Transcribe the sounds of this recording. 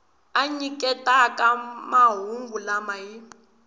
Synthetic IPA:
aɲikʼɛtakamaɦuŋɡulamaji

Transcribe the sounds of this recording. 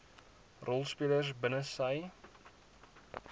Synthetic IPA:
rɔlˠspiələrsbənəsɐj

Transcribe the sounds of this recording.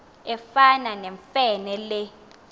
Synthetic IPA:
ɛfananɛɱfɛnɛlɛ

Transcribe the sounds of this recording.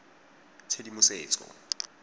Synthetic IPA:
t͡sʰedimusɛːt͡sʰʼɔ̰

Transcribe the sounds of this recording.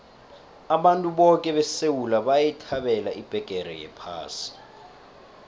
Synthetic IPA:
aɓantʼuɓɔkʼɛɓɛsewulaɓajɛtʰaɓɛlaʔib̥ʱɛɡ̥ʱɛrɛ̰jɛ̰pʰa̰ːsi̥

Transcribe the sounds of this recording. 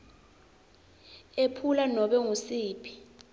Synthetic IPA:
epʰulanɔɓɛŋusiːpʰi̥

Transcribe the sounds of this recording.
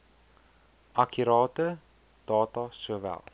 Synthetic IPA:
ʔɐkʰyɾɑːtə | d̥ɑːtɐsuəvɛ̰lˠ

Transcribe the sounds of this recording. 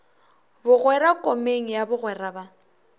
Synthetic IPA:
bʊɣwɛɾakʼɔmeŋ̩jabʊɣwɛraba

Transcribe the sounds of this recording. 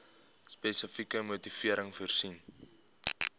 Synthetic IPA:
spɛsəfikəmutifiəɾəŋfuərsin

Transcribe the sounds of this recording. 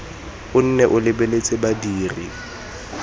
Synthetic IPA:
ʊn̩nɛʔʊlɪbelet͡sʼɪbadiːri

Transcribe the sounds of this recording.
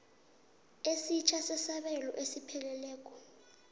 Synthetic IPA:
esit͡ʃʰasɛsaɓɛlɔ̰ʔesipʰɛlɛlɛːk̬ʼɔ̥

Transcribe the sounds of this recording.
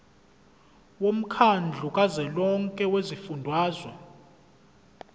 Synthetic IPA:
wom̩kʰand͡ɮʱukʼazɛlɔŋkʼɛwezifundʱwaːzwɛ

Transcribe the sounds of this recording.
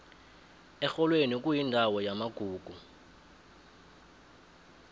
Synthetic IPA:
ɛxɔlwenik̬ʼujindʱawɔjamaɡ̥ʱuːɡ̥ʱu

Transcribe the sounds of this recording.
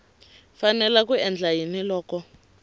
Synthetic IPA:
fanɛlakuɛnd͡ɮajinilɔːkɔ

